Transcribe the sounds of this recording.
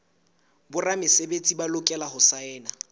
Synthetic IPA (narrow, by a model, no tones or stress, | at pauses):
bʊramɪsebet͡sʼibalʊkʼɛlahʊsaɛːna